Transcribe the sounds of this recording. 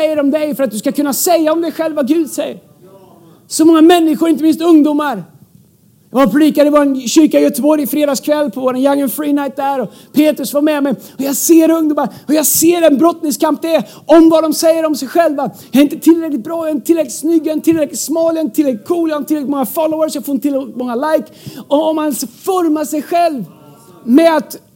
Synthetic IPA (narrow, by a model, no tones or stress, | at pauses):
ɛjːəɾɔmd̪ɛjfœɾat̪̚d̪ɵskakʰɵnːasɛjːaɔmd̪ɛɧɛlvaɡʉ̟ːd̪sɛjə̰ɾ | sɔmɔŋːamɛnːɪɧʊɾɪnt̪əmɪnst̪ɵŋd̪uːmaɾ | jɑvaɾpʰɾʊliːkad̪ɛvɔːɾanɕʏɾkanjœt̪əbɔɾjɪfɾeːd̪ɑːskʰvɛlːpʰɔvoːɾanjaŋːənfɾiːnajt̪̚d̪æɾɔ | pʰeːt̪ɾɵsvamɛmɛj | ɔjɑseːɾɵŋd̪uːmaɾɔjaseːɾɛnbɾɔt̪nɪŋskamp̚d̪ɛæ | ɔmvad̪ɔmsɛjːəɾɔmsɛjɧɛlvajaɾɪnt̪ət̪ʰɪlɾɛklɪt̪bɾɑːjaɾɪnət̪ʰɪlɾɛklɪt̪snʏɡːaɾɪnt̪ʰɪlɾɛklɪt̪smɑːljaɪnət̪ʰɪlɾɛklɪt̪kʰuːljahant̪ʰːɪɾɛlɪt̪mɔŋːafɔlɔʊəʂsɔjaɡfoɾɪnət̪ʰɪlɾɛkɪt̪mɔŋːalajk | ɔɔmansfɔɾmaʂɛjɧɛlv | mɛat̪